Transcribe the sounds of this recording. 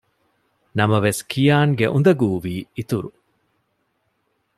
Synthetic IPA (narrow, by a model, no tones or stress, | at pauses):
nɐmɐʋeskʰijaːŋɡeʔund̪ɐɡuːʋiːit̪uɾu